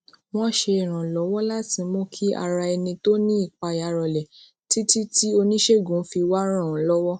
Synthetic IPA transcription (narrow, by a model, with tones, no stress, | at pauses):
w̃ɔ̃˦˨ʃe˧i˨ɾ̃ã˨lɔ˨˦wɔ˦la˦tĩ˨˧˦mõ˦kʰi˦a̰˧ɾa˧ɛ˧nĩ˧to˦nĩ˦i˦˨k͡pa˧˨ja˨˦ɾɔ˨lɛ˨ | ti˦ti˦ti˦o˧nĩ˦ʃe˦˨ɡũ˨˦fi˧wa˦ɾ̃ã˦˨˦lɔ˦wɔ˦